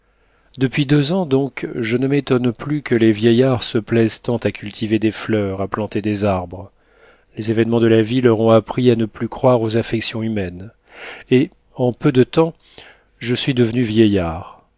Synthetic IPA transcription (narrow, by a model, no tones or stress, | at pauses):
d̪əpɥid̪øzɑ̃d̪ɔ̃kʒənəmet̪ɔnplykəlevjɛjaʁsəplɛzt̪ɑ̃t̪akʲʰylt̪ʰived̪eflœʁaplɑ̃t̪ed̪ezaʁbʁə | lezevɛnmɑ̃d̪əlavilœʁɔ̃apχianəplykχwaʁozafɛksjɔ̃ymɛn | e | ɑ̃pød̪ət̪ɑ̃ | ʒəsɥid̪əvənyvjɛjaːʁ